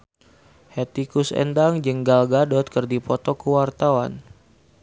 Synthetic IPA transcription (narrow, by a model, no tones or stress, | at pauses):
hɛt̪ikusɛ̰ndaŋd͡ʒəŋɡalɡadɔt̪̚kərdipɔt̪ɔkəwart̪awan